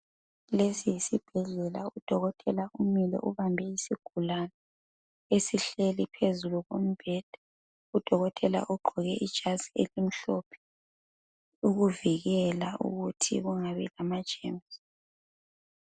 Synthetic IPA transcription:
lesijisib̥ʱɛɮɛlaud̥ʱɔɣɔtʼɛlaumilɛ̰ʔuβambʱɛisiɡ̥ʱulana | esiɬelipʰezuluɣom̩b̥ʱɛd̥ʱa | ud̥ʱɔɣɔtʼɛla̰ʔuɡ͡ǃʱɔɣɛʔid̥ʒ̥ʱazielim̩ɬɔpʰɛ̥ | uɣuviɣɛlaʔṵɣutʰḭɣuŋaβɛ̰lamad̥ʒ̥ʱḛms

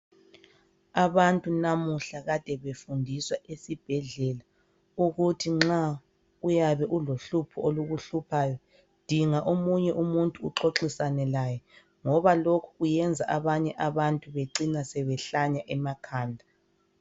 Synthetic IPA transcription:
aβantʼunamuɬaɣad̥ʱɛβefundʱiswaesib̥ʱɛɮɛla | uɣutʰiŋ͡ǁa | ujaβɛʔuloɬupʰuoluɣuɬupʰaːjɔ | d̥ʱiŋaʔomuɲɛʔumuntʼuːǁoǁisanɛlaːjɛ | ŋɔβalokʰu̥ɣujɛnd͡zʱaʔaβaɲɛʔaβantʼuβeǀinasɛβɛɬaɲaʔɛmakʰaːndʱa

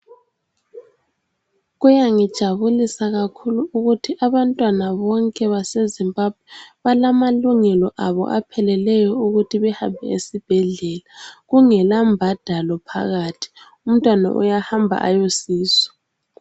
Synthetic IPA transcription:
ɣujaŋid̥ʒ̥ʱaβulisaɣakʰuluːɣutʰiʔaβantʼwanaβɔŋkʼɛβasezimbʱab̥̚ʱwɛβalamaluŋɛlɔʔaβɔ̰ʔapʰɛlɛlɛjɔuɣutʰiβɛhambʱɛ̰esib̥ʱɛɮɛlaɣuŋɛlambʱad̥ʱalɔpʰa̰ɣatʰi̥ | um̩tʼwana̰ʔṵjahambʱa̰ʔa̰josiːzɔ̥

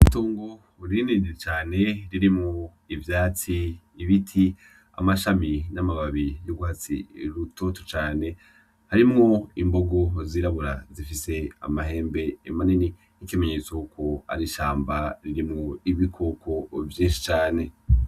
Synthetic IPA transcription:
itoːŋɡo | ɾininiet͡ʃaːne̞ɾiɾimŋo | ivjaːt͡siːβitʰi | a̰maʃaminamaβaβijoɡuhat͡sḭɾuto̞to̥t͡ʃaːne̞ | haɾimŋo̞imbo̞ɡo̞ziɾaβuɾazifise̞a̰maɦe̞ːmbe̞ːmanini | nikime̞ɲe̞t͡sokukʰoa̰ɾiʃaːmbaɾiɾimŋoiβikʰo̞kʰo̞vjiːnʃi̥t͡ʃaːne̞

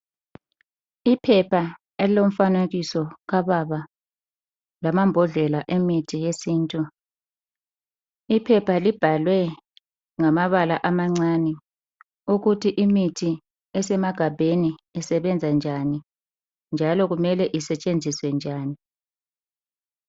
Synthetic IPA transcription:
ipʰɛpʰa | elilom̩faneɣisɔɣaβaβa | lamambʱɔɮɛlaʔemitʰijesiːntʼu | ipʰɛpʰalib̥ʱalwɛ | ŋamaβalaʔamaŋ͡ǀaːnɛ | uɣutʰiʔimitʰi | ɛsɛmaɡ̥ʱabʱeniɛsɛβɛnd͡zʱand͡ʒʱani | nd͡ʒʱalɔɣumɛlɛʔisɛt͡ʃʼend͡zʱiswɛnd͡ʒʱaːni

